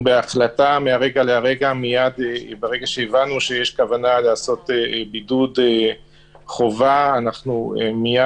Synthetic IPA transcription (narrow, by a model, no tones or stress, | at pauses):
beaχlatameaʁe̞ɡaleaʁe̞ɡamijad̪ebeʁe̞ɡaʃeevanuʃe̞jeʃkavanaleaso̞t̪ebidude | χo̞vaːnaχnuemija